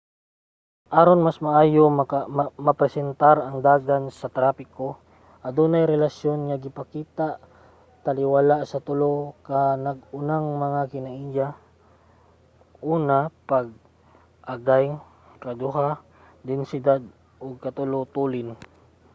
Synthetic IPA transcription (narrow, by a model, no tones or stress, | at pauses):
ʔaːɾonmasmɐʔaːjommɐpɾɛsɛnt̪aɾɐŋd̪aːɡansɐt̪ɾaːpɪko | ʔɐd̪uːnajɾɛlasjonŋɐɡɪpɐkiːt̪aʔ | t̪ɐlɪwalaʔsɐt̪ʊlokanɐɡʊnaŋmɐŋakɪnɐʔiːja | ʔuːnapaɡ̚ | ʔaɡajŋ | kɐd̪ʊɦa | d̪ɛnsɪd̪ad̪̚ | ʔoɡ̚kɐt̪ʊlot̪uːlɪn